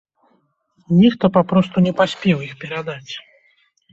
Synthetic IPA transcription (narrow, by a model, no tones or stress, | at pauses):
nʲikt̪ɔpapɾɔst̪unʲɛpasʲpʲɛwixpʲɛɾad̪at͡sʲ